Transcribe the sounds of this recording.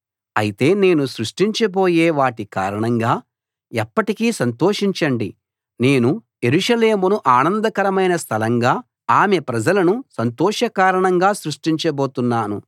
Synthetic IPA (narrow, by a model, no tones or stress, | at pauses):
ɐjit̪e̞ːne̞ːnusɾuʂʈiɲt͡ʃɐbo̞ːjeːʋaːʈika̰ːɾɐɳɐŋɡaː | ɛpːɐʈikiːsɐnt̪oːʂiɲt͡ʃɐɳɖḭ | ne̞ːnuje̞ɾuʂɐle̞ːmunuʔaːnɐnd̪ɐkɐɾɐmɐjnɐst̪ʰɐlɐŋɡaː | aːme̞pɾɐd͡ʒɐlɐnusɐnt̪ɔːʂɐkaːɾɐɳɐŋɡaːsɾuʂʈiɲt͡ʃɐbo̞ːt̪unːaːnṵ